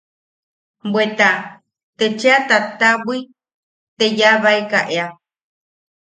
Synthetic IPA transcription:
bwet̪a | t̪et͡ʃeat̪at̪aβʷi | t̪ejaβaekaʔea

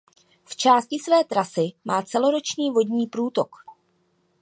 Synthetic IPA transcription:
ft͡ʃaːscɪsvɛːt̪ɾasɪmaːt͡sɛlo̞ɾo̞t͡ʃɲiːvo̞dɲiːpɾuːt̪o̞k

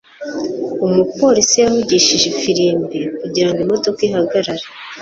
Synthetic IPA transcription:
umupo̞ɾisijahuɟiʃiʒefiɾiːmbikuɟiɾaŋɡimo̞to̞kiɦaɡaɾaɾe

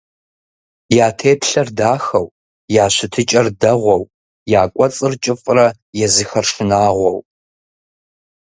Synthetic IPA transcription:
jaːtʰeːpʰɬɐrdaːxɐw | jaːɕʷɪtʰɨt͡ʃʼɐrdɐʁʷɔw | jaːkʷʼɔt͡sʼɨrt͡ʃʼɨfʼrɐ | jɛzɨxɐrʂɨnaːʁʷɔw

